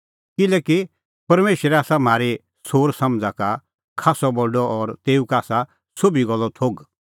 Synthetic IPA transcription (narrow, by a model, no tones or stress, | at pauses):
kɪlɛki | pɐɾmeːʃɾɛaːsam̤aːɾe | soːɾsɐ̃md͡zaka | kʰaːsɔbɔlɖɔʔɔɾt̪eːukaːsa | sʊbiɡɔlːɔt̪ʰoːɡ